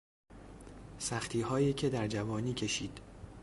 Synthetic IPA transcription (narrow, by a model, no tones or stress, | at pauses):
sæxt̪ʰiːɦɒːjiːcʰe̞d̪æɾd͡ʒævɒːniːcʰe̞ʃiːd̪̥